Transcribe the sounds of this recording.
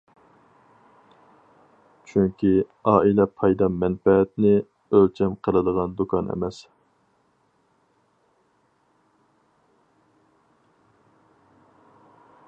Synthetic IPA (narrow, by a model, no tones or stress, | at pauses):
t͡ʃʰyŋkʲi | ɑːilɛpʰɑjd̪ɑmɛnfɛɛt̪nɪ | ølt͡ʃʰɛmqʰəlˠɨd̪əʁɑnd̪ukʰɑnɛ̰mɛs